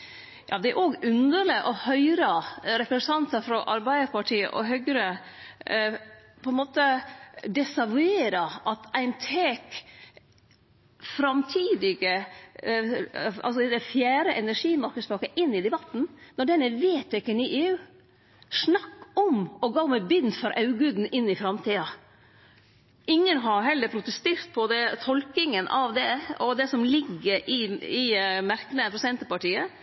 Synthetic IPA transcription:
jʔɑ̰ːd̪ɛæɾʔoːɡʉnd̪əɾɭɪʔɔhœʏɾɑɾɛpɾɛsnt̪ʰɑnt̪ɑfɾɔʔɑɾbæɪd̪əɾpʰɑʈʰiːə̰ʔɔɦœɡɾə | pʰɔɛnmoːt̪əd̪ɛsɑʋʉeːɾɑʔɑt̪æɪnt̪ʰeːk | fɾɑmt̪ʰiːd̪ɪɡə | ɑ̰lsɔd̪ɛd̪ɛfjæːɾəʔɛnæʂiːmɑɾkəd̪spɑːkəʔɪnːɪd̪ɛbɑt̪ːn̩nɔɖɛnːəʋeːt̪ɪkːəniʔeːʉː | snɑkːɔmɔɡɑːmɛbʏnfɔɾʔɑʉɡʉːd̪n̩ɪnːɪfɾɑmt̪ʰiːɑ | ʔɪŋːənɦɑɾɦɛlːəɾpʰɾʊt̪əst̪eːɾt̪̚pʰɔd̪ɛt̪ʰɔlkɪŋənʔɑʋd̪ɛɔd̪ɛsɔmlɪɡːəɾɪɪmæɾkənəpʰɾɛsɪd̪ɛnt̪əpɑʈiːə

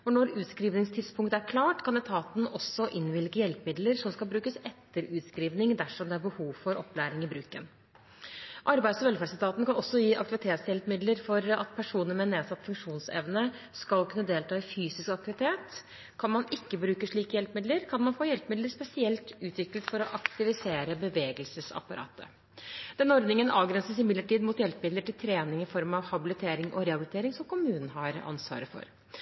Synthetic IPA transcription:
ɔnɔɾʉːt̪skɾiːʋnɪŋst̪ʰɪt̪spʰʊŋkt̪əæɾkʰlɑːʈkʰɑnɛt̪ʰɑːt̪n̩ɔsːɔʔɪnʋɪlkəjɛlpmɪd̪ləɾʂɔmskɑlbɾʉːkəsɛt̪ːəɾʉːt̪skɾiːʋnɪŋd̪æʂɔmd̪ɛæɾbəhuːʋfɔɾʔɔpːlæːɾɪŋɪbɾʉːkən | ʔɑɾbæɪd̪sɔʋɛlfæst̪ʰɑːt̪n̩kʰɑnɔsːɔjiːʔɑ̰k̚t̪ɪʋɪt̪ʰeːt̪sjɛlpmɪd̪ləɾfɔɾɑ̰t̪pʰæʂuːnəɾmɛneːsɑt̪ːfʉŋkʂuːnsɛ̰ʋnə | skɑlkʉnːəd̪eːlt̪ʰɑːɪfyːsɪskɑk̚t̪ɪʋɪt̪ʰeːt̪ | kʰɑnmɑnɪkːəbɾʉːkəʂɭiːkəjɛlpmɪd̪ləɾkʰɑnmɑnfoːjɛlpmɪd̪ləɾspɛsɪɛlt̪ʉːt̪ʋɪkːlət̪fɔɾɔʔɑkt̪ɪʋɪseːɾəbəʋeːɡəlsəsɑ̰pɑɾɑ̰ːt̪ʰə̰ | d̪̥ɛnɔɾd̪nɪŋənɑːʋɡɾɛnsəsɪmɪd̪ləʈiːd̪muːt̪jɛlpmɪd̪ləʈɪlt̪ʰɾeːnɪŋɪfɔɾmɑʋhɑbɪlɪt̪ʰeːɾɪŋʔɔ̰ɾɛhɑbɪlɪt̪eːɾɪŋsɔmkʰʊmʉːnən̩ɦɑɾɑ̰nsʋɑ̰ːɾəfɔ̰ɾ

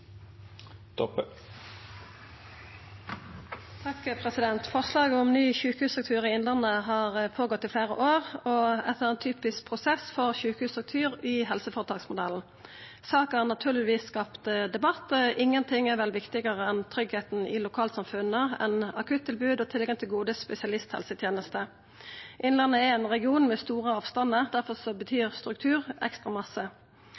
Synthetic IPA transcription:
t̪ɔp | t̪ʰɑkpʰʁɛsɪd̪ɛnt̪fɔʁslɑːɡəʊmnyːçʉːkəhʉːsɑk̚t̪ʰyːʁɪɪnlɑnəɦɑːʁəpʰoːɡɔt̪ːɪfleːʁə̰ʔoːʁɔɛt̪ːəʁɛːnt̪ʰyːpɪsk̚pʰʁʊsɛsfɔʁçʉːkəhʉːsɑk̚t̪ʰyːʁɪhɛlsəfɔʁt̪ɑːksmʊd̪ɛln̩ | sɑːkəhæʁnɑt̪ʰʉːʁlɪʋiːsːkɑpt̪d̪ɛbɑt̪ːəʔɪŋːənt̪ʰɪŋɛʁʋɛlʋɪkt̪ɪɡəʁəɛnt̪ʰɾʏɡheːt̪n̩ɪ̰lʊkʰɑːlsɑmfʉnːəɛ̰nɑkʰʉt̪ʰːɪlbʉːd̪ɔːt̪ʰɪlɡɑŋt̪ʰɪlɡuːd̪əspɛsɪɑlɪst̪hɛ̰lsət̪ʰjeːnəst̪ə | ʔɪnlɛnːəɛɾɛnʁɛɡɪuːnmɛst̪uːʁəɑːʋst̪ɑnəd̪æʁfɔʁsɔbət̪ʰyːʁst̪ɾʉk̚t̪ʰʉːʁɛ̰kst̪ʁɑmɑsə

